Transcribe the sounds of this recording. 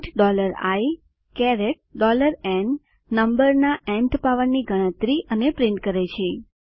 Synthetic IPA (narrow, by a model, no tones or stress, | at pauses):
ʈɖɔləɾa̰j | kɛɾeʈ̚ɖɔləɾɛnː | əmbəɾnaʔɛ̃nt̪paʋənniɡʱəɽ̃ə̃t̪ɾiʔənepɾɪɳʈkəɾet͡ʃʰe